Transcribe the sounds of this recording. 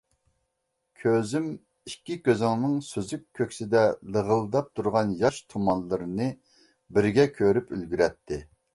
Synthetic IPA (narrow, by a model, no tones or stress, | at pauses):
kʲʰøzym | ikʲːikʲøzɪŋnɨŋsøzykʲʰːøkʲsɪd̪ɛlˠəʁəlˠd̪ɑp̚t̪ʰuɾʁɑnjɑʃt̪ʰomɑnlˠːɨɾɨnɨ | bɪɾɡʲɛkʲʰøɾypylɡʲyɾɛt̪ʰːɪ